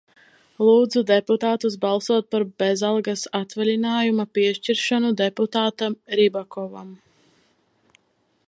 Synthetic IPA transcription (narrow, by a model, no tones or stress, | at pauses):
lˠuːd̪zud̪ɛput̪aːt̪us̬balˠsuɔt̪̚paɾbezalˠɡasat̪vɛlʲinaːjumapiɛʃt͡ʃiɾʃanud̪eput̪aːt̪amɾibakɔva̰m